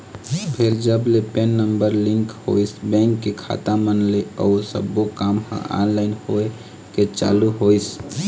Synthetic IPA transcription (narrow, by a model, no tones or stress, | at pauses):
pʰɪɾd͡ʒəblepenːəmbəɾlɪ̃ŋkho̰ːisbɛ̃ːŋkːekʰa̰t̪ãmənleɔːɾsə̰bːokaːmhã̰ʔa̰ːnlaːɪnhoe | ket͡ʃa̰ːluɦoːis